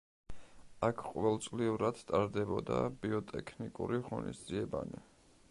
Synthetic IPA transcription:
akʰqʼɔvɛlˠt̪sʼliuɾad̪̥t̪ʼaɾd̪ɛbɔd̪abiɔt̪ʼɛkʰnikʼuɾiʁɔnḭsd̪ziɛbani

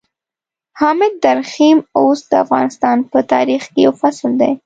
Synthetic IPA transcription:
hɑmɪd̪ːaɾximosd̪̥əafɣɑ̰nɪst̪ɑnpət̪ɑɾixkejawfasld̪ej

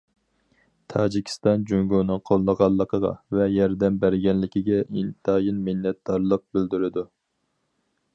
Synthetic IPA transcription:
t̪ʰɑːd͡ʒikʲʰi̥st̪ɑnd͡ʒyŋɡonɨŋqʰolˠːəʁɑlˠːəqʰəʁɑ̰vɛjɑɾd̪ɛmbæɾɡʲɛnlɪkʲʰiɡʲɛint̪ʰɑːjinmɪnːɛt̪̚d̪ɑɾlˠəq̚bɪld̪yɾɪd̪u

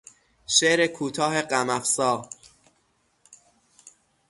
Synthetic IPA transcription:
ʃeʔɾekʰuːt̪ʰɒːɦe̞ɢæmæfsɒː

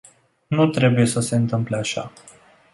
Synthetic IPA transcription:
nut̪ɾe̞buje̞səse̞ɨnt̪ɨmpleaʃa̰

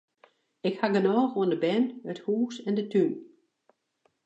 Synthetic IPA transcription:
ɪkhaɡənɔːxoəndəbɛnəthuːsɛndətʰyn

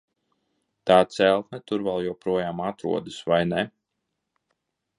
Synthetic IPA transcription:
t̪aːt̪sɛlˠt̪nɛt̪uɾvɛlˠjuɔpɾuɔjaːmat̪ɾṵɔd̪usvajnɛ

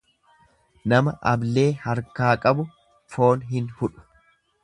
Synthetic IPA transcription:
nɐmɐʔɐble̞ːhɐɾkaːkʼɐbʊ | fo̞ːnɦɪnhʊᶑʊ̥

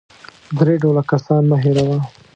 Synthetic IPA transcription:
d̪ɾeɖolakasɑnmaɦeɾawa

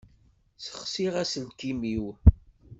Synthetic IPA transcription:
sə̥χsiʁæsəlkimiw

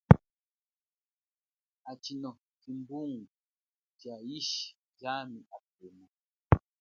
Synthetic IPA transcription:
at͡ʃinɔ | kimbuŋɡu | t͡ʃaiʃi̥ | d͡ʒamiʔafima

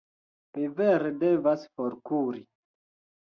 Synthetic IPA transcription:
miveɾedevasfoɾkuɾi

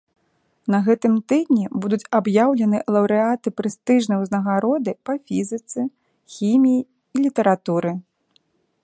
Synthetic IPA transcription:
nɐɣɛt̪ɨmt̪ɨd̪̚ʲnʲɛbud̪ut͡sʲabjawlʲɛnɨlˠɐwɾɨat̪ɨpɾɨst̪ɨʐnɨjwznɐɣaɾɔd̪ɨpɐfʲizɨt̪sɨ | xʲimʲijiː | lʲit̪ɐɾat̪uɾɨ

